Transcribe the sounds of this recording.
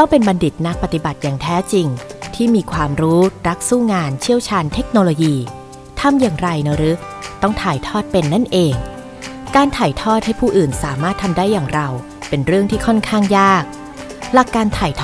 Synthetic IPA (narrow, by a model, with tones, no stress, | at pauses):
t̪ɔ˥˩ŋpe˧nba˧ndi˨˩t̪̚na˦˥k̚pa˧˩t̪i˨˩ba˨˩t̪̚jaː˨˩ŋt̪ʰɛː˦˥t͡ɕi˧ŋt̪ʰiː˥˩miː˧kʰwaː˧mɾuː˦˥ɾa˦˥k̚suː˥˩ŋaː˧nt͡ɕʰi˥˩əwt͡ɕʰaː˧nt̪ʰe˦˥k̚noː˧loː˧jiː˧ | t̪ʰa˧mjaː˨˩ŋɾa˧jnɯ˦ɾɯ˦˥ | t̪ɔ˥˩ŋt̪ʰaː˨˩jt̪ʰɔː˥˩t̪̚pe˧nːa˥˩nʔeː˧ŋ | kaː˧nt̪ʰaː˨˩jt̪ʰɔː˥˩t̪̚ha˥˩jpʰuː˥˩ʔɯː˨˩nsaː˩˦maː˥˩t̪ʰːa˧mdaː˥˩jːaː˨˩ŋɾa˧w | pe˧nɾɯ˥˩əŋt̪ʰiː˥˩kʰɔ˥˩nkʰaː˥˩ŋjaː˥˩k̚ | la˨˩kːaː˧nt̪ʰaː˨˩jt̪ʰ